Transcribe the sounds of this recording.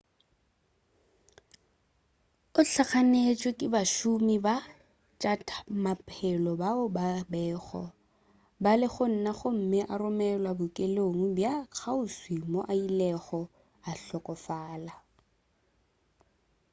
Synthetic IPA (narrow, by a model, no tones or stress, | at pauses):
ʊɬʰaχanet͡ʃʼwekʼɪbaʃumiba | t͡ʃʼatʰmapʰʼɛlɔbaʊbabɛːɣɔ̰ | balɪχʊn̩naχʊm̩mɪʔarʊmɛlwabʊkʼeloŋ̩bjak͡xʰaʊswimoʔailɛχɔ | aɬɔkʼɔfaːla